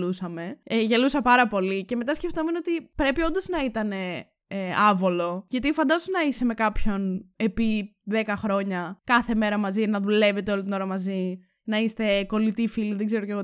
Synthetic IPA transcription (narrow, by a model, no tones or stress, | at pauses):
usɐme̞eʝe̞lusɐpɐɾɐpo̞lice̞me̞t̪ɐsce̞ft̪omenot̪ipɾe̞piond̪oznɐit̪ɐne̞ | ɐvo̞lo̞ʝɐt̪ifɐnd̪ɐzonɐise̞me̞kɐpço̞ne̞pi | ðe̞kɐxɾo̞ɲɐkɐθe̞me̞ɾɐmɐzinɐðule̞ve̞t̪eolit̪ino̞ɾɐmɐzi | nɐist̪e̞ko̞lit̪ifiliðeɡze̞ɾoceɣo